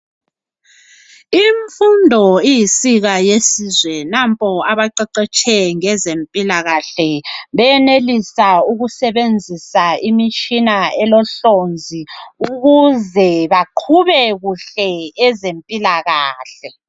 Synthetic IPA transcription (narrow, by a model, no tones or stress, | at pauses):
iɱfundʱɔijisiɣajesizwɛnampʼɔaβaǃɛǃɛt͡ʃʼʰɛŋɛzempʼilaɣaɬɛβɛjɛnelisauɣusɛβend͡zʱisaimit͡ʃʼinaɛlɔɬond͡zʱiuɣuzɛβaǃʰuβɛɣuɬɛɛzempʼilaɣaːɬɛ